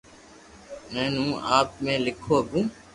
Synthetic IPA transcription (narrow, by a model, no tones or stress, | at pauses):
mɛ̃ːnũːʔaːp̚mẽːlɪkʰoːəɡũː